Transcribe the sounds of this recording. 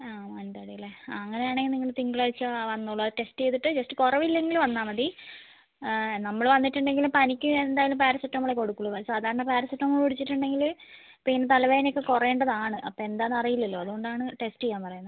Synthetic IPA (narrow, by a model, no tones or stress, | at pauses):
aːmɐnd̪ɐɽilːeɐŋːɐne̞jaːɳeŋɡniŋːɐɭt̪iŋɡiɭait͡ɕːɨʋɐnːuɭːɐʈe̞sʈejt̪ːiʈːɨd͡ʑɐsʈɨkurɐʋilːeŋɡiluʋɐnːaːmɐði | nɐmːɐɭʋɐnːiʈːuɳɖe̞ŋɡilumpɐnikʲːuend̪aːjɐlumpaːɾɐsɐʈːnɐmːuɭekoɽukːuɭːɐɐsaːd̪ʱaːɾɐɳɐpaːɾɐsɐʈːnɐmːɐɭuɽit͡ɕːiʈːuɳɖe̞ŋɡil | piːnɨt̪ɐlɐʋejinokːekurɐeːɳɖɐðaːɳɨʔɐpːoːend̪aːnːɐrijilːɐlːo̞ːɐðuɣo̞ɳɖaːɳɨʈe̞sʈejːaːmpɐrɐjunːɐðɨ